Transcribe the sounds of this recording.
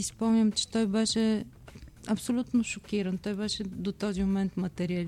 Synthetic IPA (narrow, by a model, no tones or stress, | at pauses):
ispõɲɐmt̪ʃt̪ojbaʃɐ | ɐbsulˠut̪nuʃukiɾɐ̃t̪ojβaʃɐd̪ut̪od̪imumẽnt̪umɐt̪eɾiɐl